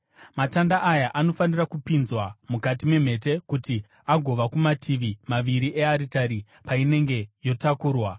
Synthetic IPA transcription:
matandaʔːjaʔano̞fanirakupinzwamukatime̞m̤e̞t̬e̞kuti | aɡʱo̞ʋakumatʰiʋimaʋiɾiʔe̞aɾitaɾi | paine̞ŋɡe̞jo̞takuːrwa

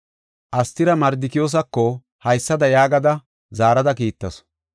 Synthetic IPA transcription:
ʔɐst̪ɪɾɐmɐɾd̪ɪkɪjoːs̬ɐkːɔ | hɐjsːɐd̪ɐjaːɡɐd̪ɐ | zaːɾɐd̪ɐkiːt̪ːɐs

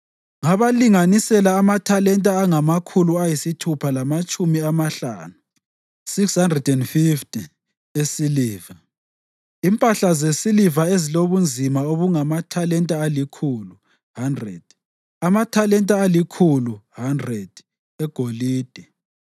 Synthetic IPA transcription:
ŋaβaliŋanisɛlaːmatʰalɛntʼaːŋamakʰuluajisitʰupʰalamat͡ʃʼumiamaɬa̰ːnu | sikshandrɛdɛndfiftʰʼi | esiliːva | impʼaɬazesilivaeziloβund͡zʱimaoβuŋamatʰalɛntʼaalikʰulu | handrɛ̰d̥ | amatʰalɛntʼaːlikʰuluhandrɛd̥ | ɛɡ̥ʱoliːd̥ʱɛ

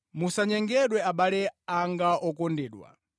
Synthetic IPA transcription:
musaɲɛŋɡɛɗwɛaɓalɛaŋɡaʔɔkɔndɛːɗwa̰

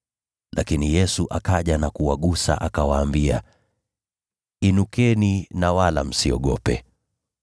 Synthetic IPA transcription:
lʔakinijɛsuʔakaʄanakuwaɠusa̰ʔakawaːmbia | inukɛninawala̰m̩siɔɠɔpɛ̰

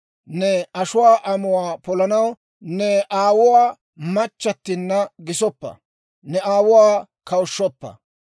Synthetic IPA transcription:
nɛɐʃʊwaːʔɐmʊwaːpɔlɐnɐw | nɛʔaːwʊwaː | mɐt͡ʃːɐt̪ːɪnːɐɡɪsɔpːɐ̰ | nɛaːwʊwaː | kɐwʊʃːɔpːɐ̰

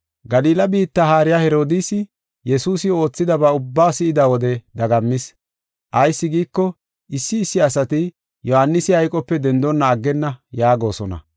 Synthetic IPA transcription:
ɡɐliːlɐbiːt̪ːɐhaːɾɪjahɛɾo̞ːd̪isɪ | jɛsuːsɪo̞ːt͡sːɪd̪ɐbɐʊbːaːsɪɪd̪ɐwɔd̪ɛd̪ɐɡɐmːɪs | ʔɐjsːɪɡiːkːɔ | ʔɪsːɪːsːɪɐsɐt̪ɪ | jɔhanːɪsɪhɐjkʼɔpːɛd̪ɛnd̪ɔnːɐːɡːɛnːɐjaːɡo̞ːsɔnɐ̰

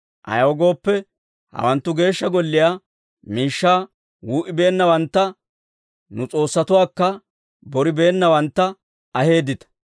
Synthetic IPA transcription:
ʔɐ̰jwɔɡo̞ːpːɛ | hɐ̰wɐnt̪ːʊɡe̞ːʃːɐɡɔlːɪjaː | miːʃːaː | wuːʔɪbe̞ːnːɐwɐnt̪ːɐ | nʊt͡sʼo̞ːsːɐt̪ʊwaːkːɐ | bɔɾɪbe̞ːnːɐwɐnt̪ːɐ | ɐhe̞ːd̪ɪt̪ɐ̥

